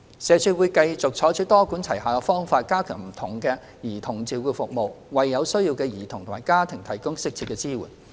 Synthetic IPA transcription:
sɛː˨˧t͡ʃʰyː˧wu˨˧jkɐ˧jt͡sʊ˨k̚t͡ʃʰɔː˨˧˥t͡ʃʰyː˨˥t̪ɔː˥ku˨˥nt͡sʰɐ˨˩jhaː˨˧kɔ˧fɔː˥ŋfaː˧t̚kaː˥kʰœː˨˩ŋm̩˨˩t̪ʰʊ˨˩ŋkɛː˧ | jiː˨˩t̪ʰʊ˨˩ŋt͡siː˨˩wkuː˧fʊ˨k̚mo˨wwɐ˨jːɐ˨˧wsɵ˥ɥjiː˧wkɛː˧jiː˨˩t̪ʰʊ˨˩ŋt̪ʰʊ˨˩maː˨˩jkaː˥t̪ʰɪ˨˩ŋt̪ʰɐ˨˩jkʊ˥ŋsɪ˥k̚t͡sʰiː˧tkɛː˧t͡siː˥wṵ˨˩n

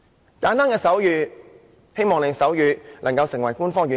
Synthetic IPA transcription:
kaː˨˥nt̪aː˥ŋkɛː˧sɐ˨˥wjyː˨˧ | he˥jmɔː˨ŋle˨˧sɐ˨˥wjyː˨˧lɐ˨˩ŋkɐ˧wsɪ˨˩ŋwɐ˨˩jkuː˥nfɔː˥ŋɥyː˨

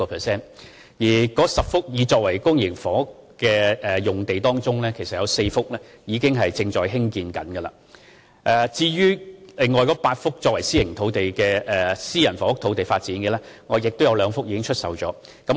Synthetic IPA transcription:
ɔ˧pʰɛ˨˩sɛː˥˩n | jiː˨˩kɔː˨˧˥sɐ˨p̚fʊ˥k̚jiː˨˧t͡sɔː˧k̚wɐ˨˩jkʊ˥ŋjɪ˨˩ŋfɔː˨˥kkɛː˧ɛː˨jʊ˨˩ŋt̪e˨jt̪ɔː˥ŋt͡sʊ˥ŋlɛː˥kʰe˨˩sɐ˨t̚jɐ˨˧wse˧jfʊ˥k̚lɛː˥jiː˨˧kɪ˥ŋɦɐ˨jt͡sɪ˧ŋt͡ʃɔː˨˧jɦɪ˥ŋkiː˧nkɐ̰˨˥nɡə˧lɐ̰˨ | ʔɛː˨˩t͡siː˧ɥyː˥lɪ˨ŋːɔː˨˩jkɔː˨˦˥paː˧t̚fʊ˥k̚t͡ʃɔː˧k̚wɐ˨˩jsiː˥lɪ˨˩ŋt̪ʰo˨˥wt̪e˨jkɛː˧ɛ˨siː˥jɐ˨˩nfɔː˨˧fʊ˥k̚t̪ʰo˧˥wt̪e˨jfaː˧t̚t͡siː˨˥nɡɛ˧ɛː˥ | ŋɔː˨˧jɪ˨k̚t̪wjɐ˨˧wlœː˨˧ŋfʊ˥k̚jiː˧kɪ˥ŋt͡ʃʰɵ˥t̚sɐ˨wt͡ʃɔː˨˥ | kɐ˨˥m

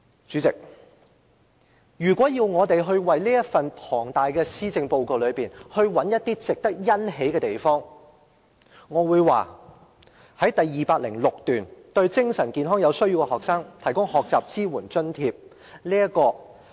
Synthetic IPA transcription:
t͡ʃyː˨˥t͡sɪ˨k̚ | jyː˨˩kʷɔː˨˥jiː˧wŋɔː˨˧t̪e˨jɦɵ˧ɥwɐ˨jliː˥jɐ˥fɐ˨npʰɔː˨˩ŋt̪aː˨jkɛː˧siː˥t͡sɪ˧ŋpo˧wko˨wlɵ˨˧piː˨˩nhɵ˧ɥwɐ˨˥njɐ˥t̚t̪ːiː˥t͡sɪ˨k̚t̪ɐ˥k̚jɐ˥nɦe˨˥jkɛ˧t̪e˨˩jfɔː˥ŋ | ŋɔː˨˧wuː˨˧jwaː˨ | hɐ˨˥jt̪ɐ˨jːiː˨paː˧k̚lɪ̰˨˩ŋlʊ˨k̚t̪yː˨˩nt̪ɵ˧ɥt͡sɪ˥ŋsɐ˨˩nkiː˨˧nɦɔː˥ŋjɐ˨˧wsɵ˥ɥji˧wkɛ˧ɔː˨k̚saː˥ŋt̪ʰɐ˨˩jkʊ˥ŋhɔː˨k̚t͡saː˨p̚t͡siː˥wuː˨˩nt͡ʃɵ˥nt̪ʰiː˧p̚ | liː˥jɐ˥kɔː˧

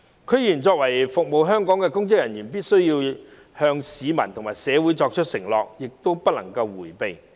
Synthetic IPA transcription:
kʰɵ˨˧˥ɥjiː˨˩nt͡sɔː˧k̚wɐ˨˩jfʊ˨k̚mo˨˧wɦœː˥ŋkɔː˨˥ŋkɛː˧kʊ˥ŋkɪ˥k̚jɐ˨˩njyː˨˩npiː˥t̚sɵ˥ɥjiː˧w | hœː˧ŋsiː˨˧mɐ˨˩nt̪ʰʊ˨ŋmaː˨˩jsɛː˨˧wuː˨˥jt͡sɔː˧k̚t͡ʃʰɵ˥t̚sɪ˨˩ŋlɔ̰ː˨k̚jɪ˨k̚t̪o˥wpɐ˥t̚lɐ̰˨˩ŋkɐ˧wwuː˨˩jpe˨˧j

